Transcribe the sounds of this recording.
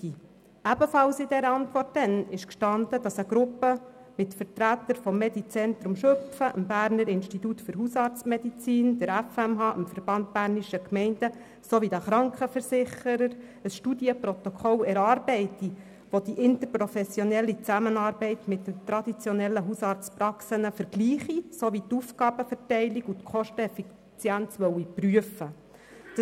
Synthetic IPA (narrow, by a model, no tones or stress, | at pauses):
i | æbəfɑlsɪdɛɾəɑntʋɔrt̚dɛnɪʃkʃtɑnd̪əd̥ɑsəɡɾʊpːə | mɪtfəɾtɾæt̪ːəɾfɔmːɛd̪it͡sɛnt̪ɾʊmʃɵpfəʔəmbæːɾnəɾɪnʃtit̪utfɵɾɦusɑːɾt͡smɛd̪it͡siːnd̥̪əɾæfɛmɦɑːʔəmfəɾb̥ɑnt̪̚bæːɾniʃəkmɛɪndə | soːʋid̪əχɾɑŋkχəfəɾsɪχəɾəɾ | əsʃtudjəpɾot̪okʰɔlɛɾɑːɾbɛɪti | ʋod̥̪iʔɪnt̪əɾpɾofɛsjonɛlːit͡sæmənɑːɾbɛɪt̪mɪtdəmt̪ɾɑd̪it͡sjɔnɛlːəɦusɑːɾt͡spɾɑksənəfəɾɡ̥liːχisoʋit̪ufɡɑːb̥əfərtɛɪlikut̪kχɔʃtəɛfi | t͡sjænt͡sʋœwipryəfə | d̥